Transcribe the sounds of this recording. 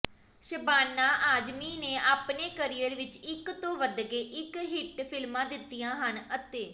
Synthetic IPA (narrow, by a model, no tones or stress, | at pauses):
ʃəbaːnːaːʔaːd͡ʒmiːneːʔaːpneːkəɾiːəɾʋɪt͡ʃɪkt̪õːʋəd̪ɡeːʔɪkɦɪʈpʰɪlmãːd̪ɪt̪ːijãːɦənət̪eː